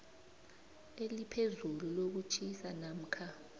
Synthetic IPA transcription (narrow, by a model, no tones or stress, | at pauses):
elipʰezululok̬ut͡ʃʼisanam̩kʰa